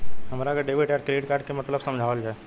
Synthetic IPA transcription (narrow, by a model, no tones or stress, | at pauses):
ɦɐmɾakaɖeːʋiʈɛːʈkɾeːɖkaːɾʈ̚kemɐt̪ləbsɐ̃md͡ʒʱaːʋəld͡ʒaːɛ